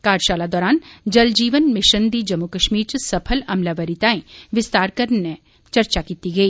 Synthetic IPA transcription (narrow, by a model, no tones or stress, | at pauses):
kaːɾʃaːlad̪ɔːɾaːnd͡ʒɐld͡ʒiːʋənmɪʃənd̪id͡ʒɐmːukəʃmiːɾt͡ʃsɐpʰəlɐmlaʋəɾɪt̪aːẽʋɪst̪aːɾkɐɾnɛ | t͡ʃɐɾt͡ʃakiːt̪iɡɐiː